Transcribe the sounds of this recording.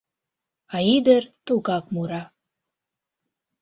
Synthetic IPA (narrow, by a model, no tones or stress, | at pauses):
ɑid̪əɾt̪uɣɑk̚muɾɑ